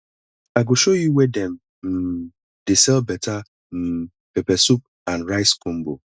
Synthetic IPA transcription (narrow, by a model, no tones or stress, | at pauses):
aɡoʃojuwɛdɛm̩ | m̩ | d̥esɛlbɛtʰa | m̩ | pɛpɛsup̚ | ãnɹaɪskõm̩bo̰